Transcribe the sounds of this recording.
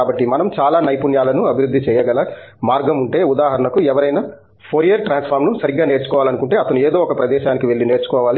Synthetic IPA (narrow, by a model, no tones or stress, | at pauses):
aːbɐʈːimɐnɐmt͡ʃaːlaːnɐjpunjaːlɐnuɐbʱiɾud̪ʱːit͡ʃɛːjɐɡɐlɐmaːɾɡɐmuɳʈe̞ːud̪aːɦɐɾɐɳɐkuɛʋɐɾɐjnɐ | pʰoːɾijɐɾʈɾaːnspʰaːɾmnusɐɾiɡːaːneːɾt͡ʃukɔːʋaːlɐnukuɳʈeːɐt̪ɐnueːd̪oːɔkɐpɾɐd̪ɛːʃaːnikiʋe̞ɭːine̞ːɾt͡ʃu̥kɔːʋaːli